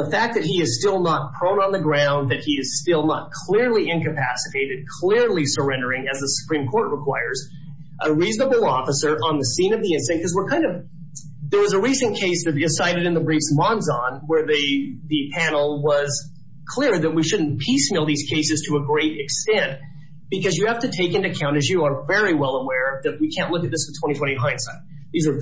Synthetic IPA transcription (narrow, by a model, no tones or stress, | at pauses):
ðəfæk̚ðɨt̚ɦiɨz̥stɪlˠnət̚pʰɹ̥õʊ̃nə̃nðɨɡɹãʊ̃nðɨt̚hiɨz̥stɪlˠnət̚kʰl̥ɪɹliɪ̃nkɨpʰæsɨtʰeɪɾɨd̚kʰl̥ɪɹlisə˞ɛ̃ndə˞ɪ̃ŋɨzðəsu̥pʰɹ̥ĩmkʰɔɹʔ̚ɹəkʰw̥aɪə˞z | ʔəɹiznəbl̩ˠɔfəsə˞ʔə̃nðɨsĩnʌvðiɪ̃nsɨ̃nkʌzwəɹkʰãɪ̃ndʌv | ðə˞wʌzəɹisɨ̃nkʰeɪsðɨɾɪsaɪɾɨɾɨ̃nðəbɹifsmɑ̃nzɑ̃nwə˞ðɨðɨpʰænl̩ˠwʌz̥ | kʰl̥ɪɹðɨt̚wiʃʊdⁿn̩pʰismɪlˠðiz̥kʰeɪsɨz̥tʰɨəɡɹeɪɾɨkstɛ̃nt | b̥ɨkʌzjɨhæftɨtʰeɪkɨ̃ntɨɨkʰãʊ̃ɾ̃ɨzjɨə˞vɛɹiwɛlˠəwɛɹʌðɨt̚wikʰæ̃nʔˡlʊkɨt̪̚ðɪsfɨ̥tʰw̥ɛ̃ɾ̃itʰwɛ̃ɾ̃iɦãɪ̃nsaɪt̪̚ | ðizə˞